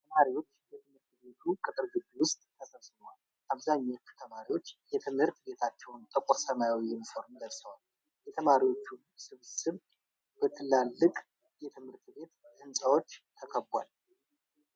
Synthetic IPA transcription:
t̪ʰəmaɾiwo̞t͡ʃːjɛt̪ʰɨmhɨɾt̪be̞t̪ʰukʼɨt̪ʼɨɾɡɨd͡ʒiwʊst̪ʼt̪ːʰəsəβsɨmwal | ʔaβzaɲːot͡ʃːu̥t̪ʰəmaɾiwo̞t͡ʃːjɛt̪ʰɨmhɨɾt̪be̞t̪ʰat͡ʃːɛwnt̪ʼəkʼoɾsəmaawiɪnfoɾmd̪əlsəwal | jɛt̪ʰəmaɾiwo̞t͡ʃːunsɨβsɨβ | bət̪ʰɨlːalːɨkʼ | jɛt̪ʰɨmhɨɾt̪be̞t̪ɨnsʼawo̞t͡ʃːt̪ʰəkʰəbʷa̰l

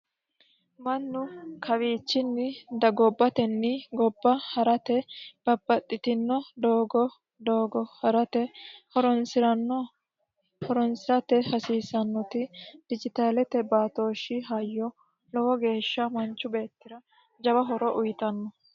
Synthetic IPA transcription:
mɐnːʊkʰɐwiːt͡ʃːɪnːɪd̪ɐɡɔbːɐt̪ɛnːɪɡɔbːɐhɐɾɐt̪ɛb̥ɐbːɐt̪ʼːɪt̪ɪnːɔd̪oːɡɔ | d̪oːɡɔhɐɾɐt̪ɛhɔɾɔnsɪɾɐnːɔ | hɔɾɔnsɪɾɐt̪ɛhɐsiːsɐnːɔt̪ɪd̪̥ɪd͡ʒɪt̪aːlɛt̪ɛbaːt̪o̞ːʃɪɦɐjːɔ | lɔwɔɡe̞ːʃːɐmɐnt͡ʃːʊbe̞ːt̪ːɪɾɐ | d͡ʒɐbɐɦɔɾɔʔʊjɪt̪ɐnːɔ

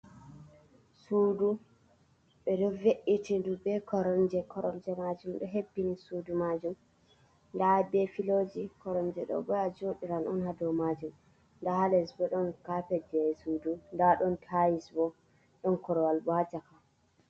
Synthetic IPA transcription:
suːdu | ɓɛdɔveʔitindubɛkɔɾɔnd͡ʒɛkɔɾɔnd͡ʒɛmad͡ʒumɗɔɦebːinisudumad͡ʒum | ndabɛfilod͡ʒikɔɾɔnd͡ʒɛɗɔ̰bɔjad͡ʒoɗiɾanɔnhadɔmad͡ʒum | ndahalɛsbɔɗɔnkapɛd͡ʒɛɛsudundaɗɔntʰajisbɔ | ɗɔnkɔɾɔwalbɔad͡ʒaka

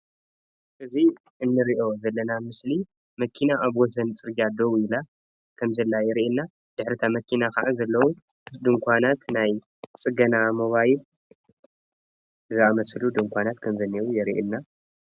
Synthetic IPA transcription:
ʔɨzi | ɨnːɨɾiʔo̞zɐlːɐnamɨsli | mɐkʰːinaʔaβwɔs̬ɐnt͡sʼɨɾɡad̪o̞wila | kʰɐmzɐlːajɛɾiʔɛnːa | d̪ɨħɾɨt̪ʰamɐkʰːinakʰaʕazɐlːɐwu | d̪ɨŋkʷanat̪naj | t͡sʼɨɡɐnamoβajil | zɨamɐslud̪ɨŋkʷʰanat̪kʰɐmzɐnːiwujɛɾiʔɪnːa

